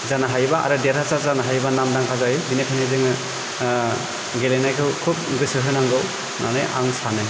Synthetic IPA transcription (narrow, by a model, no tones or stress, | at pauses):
zanaɦajbaʔa̰ɾɯdeɾʰasazanaɦajbanamdaŋkʰazajbinepʰanezɯŋɯ | ɡelejnajkʰɯwkʰup̚ɡɯsɯɦɯnaŋɡɯw | nʔanɯja̰ŋsanɯ